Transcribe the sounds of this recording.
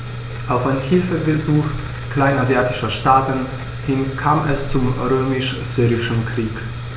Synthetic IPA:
ʔaʊfaɪnəhɪlfəbezuːx | kl̥aɪnazjaːtɪʃɐʃtaːtən̩ | hɪnkʰaːmɛst͡sumʁøːmɪʃ | z̥yːʁɪʃənkʁ̥iːk

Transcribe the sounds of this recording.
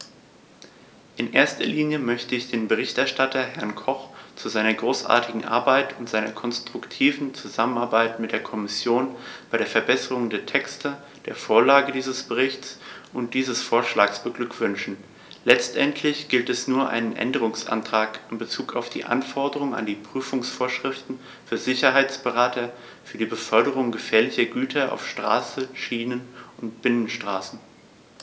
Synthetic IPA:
ʔɪnʔḛːɐstɐliːnjəmœçtəɪçd̥eːnbəʁ̞ɪçtʔɛɐʃtatʰɐɦɛɐnkʰɔχt͡suzaɪnɐɡʁoːsʔa̰ːɐtɪɡŋ̩ʔa̰ɐbaɪtʊntz̥aɪnɐkʰɔnstʁ̥ʊktʰiːvn̩t͡suzamənaɐbaɪtmɪtd̥eːɐkʰɔmɪsjoːnb̥aɪɾeːɐfɛɐbɛsəʁʊŋdeːɐtʰɛkstə | d̥eːɐfoːɐlaːɡədiːzəsb̥əʁ̞ɪçtt͡sʔʊnt̚d̥iːzəsfoːɐʃlaːksb̥əɡlʏkv̥ʏnʃn̩ | lɛt͡stʔɛntʰlɪçɡ̥ɪltɛsnuːɐʔa̰ɪnənʔɛ̰ndəʁ̞ʊŋsʔa̰ntʁ̥aːkɪnbət͡suːkʰaʊfd̥ḭːʔa̰nfɔɐdəʁ̞ʊŋa̰ndiːpʁ̥yːfʊŋsfoːɐʃʁ̥ɪftn̩ | fyːɐzɪçɐɦaɪt͡sb̥əʁaːtʰɐ | fyːɐdiːbəfœɐɾəʁ̞ʊŋɡəfeːɐlɪçɐɡyːtʰɐʔa̰ʊfʃtʁ̥a̰ːsəʃiːnənʔʊnt̚b̥ɪnənʃtʁ̥aːsn̩

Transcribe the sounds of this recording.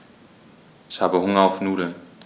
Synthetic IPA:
ɪçhaːbəhʊŋɐaʊfnuːdl̩

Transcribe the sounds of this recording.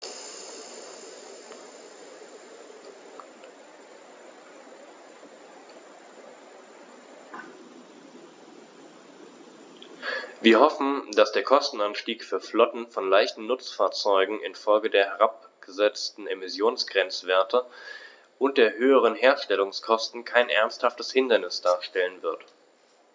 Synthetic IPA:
viːɐhɔfn̩d̥asd̥eːɐkʰɔstn̩anʃtiːkfyːɐflɔtn̩fɔnlaɪçtn̩nʊt͡sfaːɐt͡sɔʏɡŋ̩ʔɪ̰nfɔlɡədeːɐɦɛʁ̞ap̚ | ɡ̥əzɛt͡stn̩emɪsjoːnsɡ̥ʁɛnt͡sv̥eːɐtʰə | ʔʊnt̚d̥eːɐɦøːəʁ̞ənɦeːɐʃtɛlʊŋskʰɔstn̩kʰaɪnʔɛ̰ɐnsthaftəshɪndɐnɪsd̥aːɐʃtɛlənvɪɐt

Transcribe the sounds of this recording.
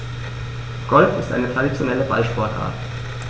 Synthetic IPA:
ɡ̥ɔlfɪstʔa̰ɪnətʁ̥aɾit͡sjonɛləba̰lʃpɔɐtʔa̰ɐt

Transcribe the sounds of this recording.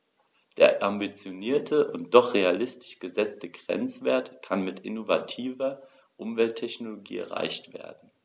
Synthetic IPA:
d̥eːɐʔambit͡sjoniːɐtʰəʔʊnt̚d̥ɔχʁealɪstɪ̥ʃɡ̥əzɛt͡stəɡʁ̥ɛ̰nt͡sv̥eːɐtkʰanmɪtɪnova̰tʰiːvɐ | ʔʊmvɛltʰːɛçnoloɡḭːɛ̰ɐʁ̞a̰ɪçtv̥ḛːɐdn̩

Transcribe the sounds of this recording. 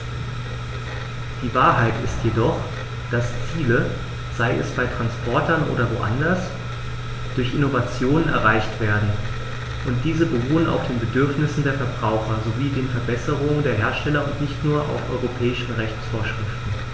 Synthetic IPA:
d̥iːvaːɐɦaɪtɪstjedɔχ | d̥ast͡siːlə | z̥aɪɛ̰sb̥aɪtʁ̥anspʰɔɐtɐnʔo̰ːdɐvo̰ːʔa̰ndɐs | d̥ʊɐçʔɪnovat͡sjoːnənɛ̰ɐʁaɪçtv̥eːɐdn̩ | ʔʊnt̚d̥iːzəbəʁuːəna̰ʊfd̥eːnbədʏɐfnɪsn̩deːɐfɛɐbʁaʊxɐzoviːdeːnfɛɐbɛsəʁ̞ʊŋəndeːɐɦeːɐʃtɛlɐʊntnɪçtnuːɐʔa̰ʊfʔɔ̰ʏʁopʰɛːɪʃn̩ʁɛçt͡sfoːɐʃʁ̥ɪftn̩

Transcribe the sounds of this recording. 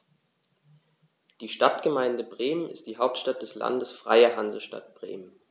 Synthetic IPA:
d̥iːʃtatɡ̥əmaɪndəbʁeːmənɪ̰st̚d̥iːɦaʊp̚tʃtat̚d̥ɛsla̰ndəsfʁ̥a̰ɪɐɦanzəʃta̰t̚b̥ʁḛːmən

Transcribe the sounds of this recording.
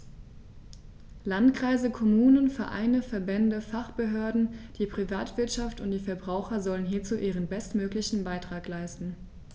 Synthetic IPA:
lantkʁ̥aɪzəkʰɔmuːnənfɛɐʔa̰ɪnəfɛɐbɛndəfaχb̥əɦøːɐdn̩d̥iːpʁ̥ivaːtv̥ɪɐtʃaftʊnt̚d̥iːfɛɐbʁaʊxɐzɔlənɦiːɐt͡suːʔiːʁ̞ənbɛstmøːklɪçn̩baɪtʁ̥aːklaɪstn̩

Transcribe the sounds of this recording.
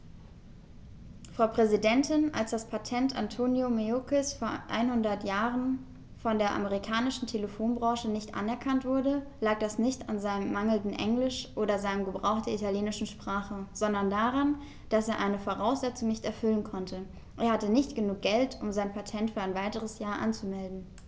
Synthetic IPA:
fʁ̥aʊpʁ̥ɛzidɛntʰɪnalsd̥aspʰatʰɛntantʰoːnjomeokʰɪsfoːɐʔa̰ɪnhʊndɐtjaːʁən | fɔndeːɐʔa̰məʁikʰaːnɪʃn̩tʰeləfoːnbʁɑ̃ːʃənɪçtʔa̰nɛɐkʰantv̥ʊɐdəlaːk̚d̥asnɪçtanzaɪnəmːaŋl̩dn̩ʔɛ̰ŋlɪʃʔoːdɐzaɪnəmɡəbʁaʊxtd̥eɐʔitaljeːnɪʃn̩ʃpʁ̥aːχəz̥ɔndɐndaːʁan | d̥aseːɐʔaɪnəfoʁaʊsz̥ɛt͡sʊŋnɪçtɛɐfʏlənkʰɔntʰə | ʔeːɐhatənɪçtɡ̥ənuːk̚ɡ̥ɛltʰʊmzaɪnpʰatʰɛntfyːɐaɪnvaɪtəʁəsjaːɐʔa̰nt͡sumɛldn̩

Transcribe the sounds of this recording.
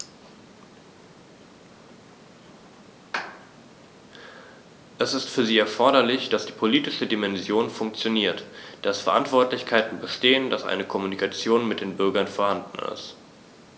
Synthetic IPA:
ʔɛsɪstfyːɐziːɛɐfɔɐɾɐlɪçd̥asd̥iːpʰoliːtɪʃədimɛnzjoːnfʊŋk̚t͡sjoniːɐtd̥asfɛɐʔa̰ntv̥ɔɐtlɪçkʰaɪtn̩bəʃteːəndasʔa̰ɪnəkʰɔmunikat͡sjoːnmɪt̚d̥eːnbʏɐɡɐnfoːɐhandn̩ɪ̰st

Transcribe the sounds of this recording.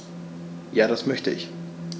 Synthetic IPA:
jaːɾasmœçtə̰ɪç

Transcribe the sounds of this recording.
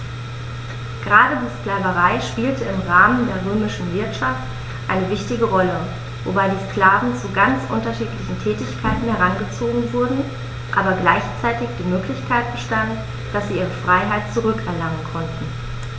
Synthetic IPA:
ɡ̥əʁaːdədiːskl̥aːvəʁaɪʃpiːltəɪmʁaːməndeːɐʁøːmɪʃn̩vɪɐtʃaft | ʔa̰ɪnəvɪçtɪɡəʁɔlə | vo̰baɪdiːsklaːvn̩t͡suɡant͡sʔʊ̰ntɐʃiːtlɪçn̩tʰɛːtɪçkʰaɪtn̩hɛʁanɡət͡soːɡŋ̩vʊɐdn̩ | ʔaːbɐɡlaɪçt͡saɪtɪçd̥iːmøːklɪçkʰaɪt̚b̥əʃtant | d̥asz̥iːʔiːʁ̞əfʁ̥aɪɦaɪtt͡suʁʏkɛɐlaŋənkʰɔntn̩

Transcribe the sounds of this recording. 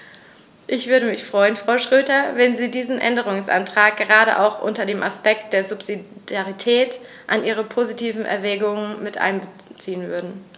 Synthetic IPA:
ʔɪçv̥ʏɐɾəmɪçfʁ̥ɔʏənfʁ̥aʊʃʁ̥øːtɐvɛnziːdiːzn̩ʔɛ̰ndəʁ̞ʊŋsʔa̰ntʁ̥aːk̚ɡ̥əʁaːɾə̰ʔa̰ʊxʔʊ̰ntɐdeːmʔaspɛk̚t̚d̥eːɐzʊpz̥idaʁitʰɛːt | ʔanʔiːʁ̞əpʰozitʰiːvn̩ʔɛ̰ɐvɛːɡʊŋənmɪtʔa̰ɪnbə | t͡siːənvʏ̰ɐdn̩

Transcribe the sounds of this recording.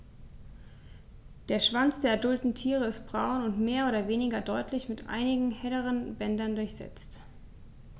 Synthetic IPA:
d̥eːɐʃv̥ant͡sd̥eːɐɛɐdʊltn̩tʰiːʁ̞əɪstb̥ʁaʊnʊntmeːɐʔoːdɐveːnɪɡɐdɔʏtʰlɪçmɪtʔa̰ɪnɪɡŋ̩hɛləʁ̞ənbɛndɐndʊɐçz̥ɛ̰t͡st

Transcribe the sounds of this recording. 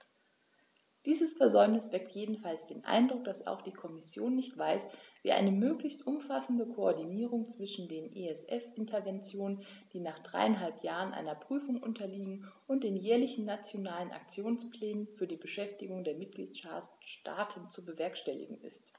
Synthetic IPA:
d̥iːzəsfɛɐzɔʏmnɪsv̥ɛk̚tʰjeːdn̩falsd̥eːnʔa̰ɪndʁʊk̚d̥asa̰ʊxd̥iːkʰɔmɪsjoːnːɪçtv̥aɪsv̥iːʔa̰ɪnəmøːklɪçstʔʊmfasn̩dəkʰoɔɐdiniːʁ̞ʊŋt͡sv̥ɪʃn̩deːnʔeɛsʔɛfʔɪntʰɐvɛnt͡sjoːnənd̥iːnaːχd̥ʁa̰ɪanɦalpʰjaːʁ̞ənʔa̰ɪnɐpʁ̥yːfʊŋʔʊ̰ntʰɐliːɡŋ̩ʔʊnt̚d̥eːnjɛːɐlɪçn̩ːat͡sjonaːlənʔa̰k̚t͡sjoːnsplɛːnənfyːɐdiːbəʃɛftɪɡʊŋdeːɐmɪt̚ɡ̥lḭːt | ta̰ːtʰən̩t͡subəvɛɐkʃtɛlɪ̰ɡŋ̩ɪ̰st

